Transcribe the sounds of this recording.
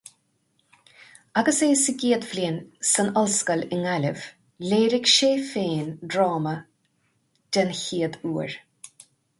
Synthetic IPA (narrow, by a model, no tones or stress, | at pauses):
aɡəseːsəɡiːəd̪vlinsənɔlskəlɪŋalʲəv̥ | leːɾɪɡʃeːfeːndɾɑːmə | d̥ənçiːəd̪uːɹ